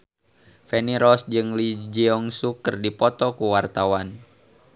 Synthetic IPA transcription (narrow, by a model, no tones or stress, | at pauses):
fɛniɾɔsd͡ʒɨŋlid͡ʒiɔŋsukərdipɔt̪ɔkuwart̪awan